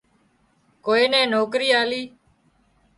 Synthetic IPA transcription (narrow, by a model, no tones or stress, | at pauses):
koːeːnɛ̃ːnoːkɾiːaːliː